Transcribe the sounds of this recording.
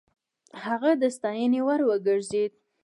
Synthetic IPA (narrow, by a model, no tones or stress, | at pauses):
haɣad̪əst̪ɑjənewaɾwəɡəɾzed̪̚